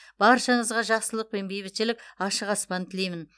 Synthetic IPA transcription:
b̥ɑɾʃɑɴəzʁɑʒɑqsəlˠəq̚pe̞nbejbɪt̪ʃɪlɪk̚ʲɑʃəqɑspɑnt̪ʰɪle̞jmɪn

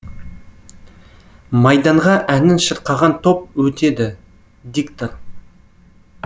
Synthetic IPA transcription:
mɑjd̪ɑɴʁɑʔænɪnʃəɾqɑʁɑnt̪ʰo̞p̚wɵt̪e̞d̪ɪ | ɡ̪ikt̪ot̪

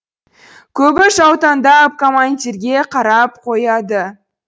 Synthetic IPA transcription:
kʲʰɵbɪʃɑwt̪ɑnd̪ɑp̚komant̪ʲiɾɡʲe̞qʰɑɾɑp̚qʰo̞jɑd̪ə

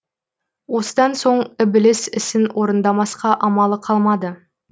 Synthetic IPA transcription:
wo̞səd̪ɑnso̞ɴɪbɪlɪsɪsɪnwʔo̞ɾənd̪ɑmɑsqɑʔɑmɑlˠəqʰɑlˠmɑd̪ə

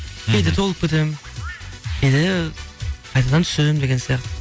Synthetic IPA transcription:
ejd̪ɪt̪ʰo̞lˠəp̚kʰʲet̪em | ejd̪ɪ | qʰɑjt̪ɑd̪ɑnt̪ʰseɪmd̪eɡʲensijɑqt̪

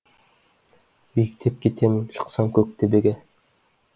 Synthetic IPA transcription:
mekt̪ʰep̚kʲet̪ʰemʃə̥̆qsɑmkʰʲɵk̚t̪ʰebeɡʲe

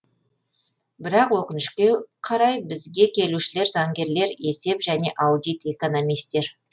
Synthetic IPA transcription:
bɪɾɑqwo̞qənɪʃkʲe̞qʰɑɾɑjbɪzɡʲe̞kʲʰe̞luʃɪle̞ɾzɑŋɡʲe̞ɾle̞ɾe̞se̞pʒæne̞ʔɑwd̪ijt̪e̞ko̞no̞mijst̪e̞ɾ

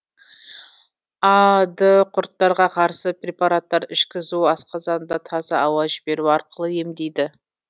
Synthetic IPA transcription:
ɑd̪əqʰʊɾt̪ːɑɾʁɑqʰɑɾsəprʲe̞paɾat̪ːɑɾɪʃkʲɪzuɑsqɑzɑnd̪ɑt̪ʰɑzɑɑwɑzʒɪbe̞ɾuɑɾqəlˠəje̞md̪e̞jd̪ɪ

